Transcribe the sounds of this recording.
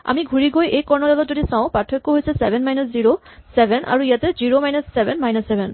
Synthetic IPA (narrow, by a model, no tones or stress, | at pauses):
a̰miɡʱuɹiɡojejkɔɹnɔdalɔtzodisaʊ̃patʰːɔkːoɦojsɛsɛbʱɛnmajnasziɹo | sɛbʱɛnʔa̰ɹuijatɛziɹomajnasːɛbʱɛnmajnasːɛbʱɛn